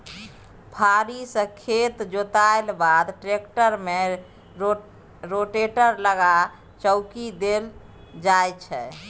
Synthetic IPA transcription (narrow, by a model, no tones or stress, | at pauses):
pʰaɾisə̃kʰet̪d͡ʒot̪aelbad̪ʈɾekʈəɾme | ɾoʈeʈəɾləɡa | t͡ʃəʊkid̪el | d͡ʒajt͡ʃʰɛ